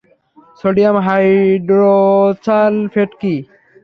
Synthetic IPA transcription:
soɖijamɦajɖɾot͡salfeʈki

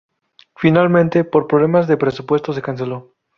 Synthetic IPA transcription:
finalmẽnt̪e̞po̞ɾpɾoβle̞mazðe̞pɾesupwe̞st̪o̞s̬e̞kans̬e̞lo̞

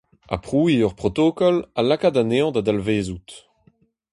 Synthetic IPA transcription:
a̰pχuːiœʁpχɔt̪okɔlalakadaneɑ̃d̪ad̪alveːzut̪

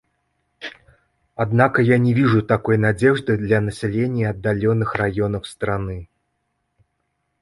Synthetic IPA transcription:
ad̪nakɐjanʲɛvʲiʐut̪akɔjnad͡zʲɛʐd̪ɨd̪lʲɐnɐsʲalʲenʲːiɐd̪ːalʲɔnɨxrajɔnɐwst̪ɾanɨ

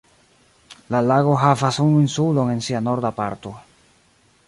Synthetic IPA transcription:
lalaɡo̞ɦavasunuinsuloŋe̞nsiano̞ɾd̪apa̰ɾt̪o̞

